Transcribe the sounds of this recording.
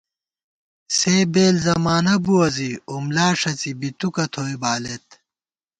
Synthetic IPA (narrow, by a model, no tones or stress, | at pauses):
seːbeːlzɐmaːnɐbuɐziumlaːʂɐt͡sibit̪ukɐt̪ʰoːjbaːlet̪